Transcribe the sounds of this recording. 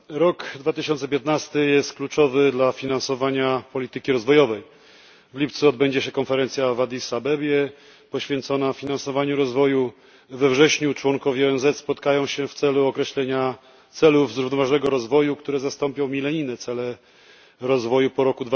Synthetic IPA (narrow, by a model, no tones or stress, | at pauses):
ɾɔkd̪vat̪ɘɕɔnt̪sɛpʲjɛt̪̚nast̪ɘjɛst̪̚klut͡ʂɔvɘd̪lafʲinansɔvaɲapɔlʲit̪ɘkʲiɾɔzvɔjɔvɛj | vlʲip̚t̪suɔd̪̚bɛɲd͡ʑɛɕɛkɔnfɛɾɛnt̪sʲjavad̪ʲisabɛbʲjɛ | pɔɕfʲjɛnt̪sɔnaffʲinansɔvaɲuɾɔzvɔju | vɛvʐɛɕɲut͡ʂwɔŋkɔvʲjiɔɛnzɛt̪spɔt̪kajɔ̃w̃ɕɛft̪sɛluɔkɾɛɕlɛɲa | t̪sɛluvzɾuvnɔvaʐnɛɡɔɾɔzvɔjukt̪uɾɛzast̪ɔmpʲɔ̃w̃mʲilɛɲinɛt̪sɛlɛ | ɾɔzvɔjupɔɾɔkud̪v